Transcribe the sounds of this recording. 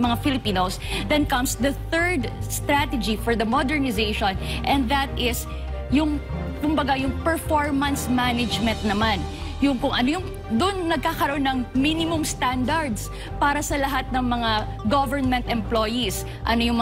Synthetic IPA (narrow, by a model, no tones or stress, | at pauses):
mɐŋafɪlɪpiːnosd̪ɛnkɐmsd̪ɐθɛɹd̪st̪ɾat̪ɛd͡ʒifɔɹd̪ɐmɔd̪ɛɹnɪzeʃonʔɛ̃nd̪ðɐt̪ʔɪs | jʊŋ | kʊmbɐɡajʊŋpɛɹfoɹmɐnsmanɛd͡ʒmɛ̃nt̪̚nɐman | jʊŋkʊŋʔɐnojʊŋ | d̪ʊʔnnɐɡ̚kaːkɐɾoʔonːɐŋminɪmʊŋst̪and̪ɐɹd̪s | paːɾɐsɐlɐɦat̪̚nɐŋmɐŋa | ɡovɛɹnmɛ̃nt̪ɛ̃mplojis | ʔɐnojʊŋm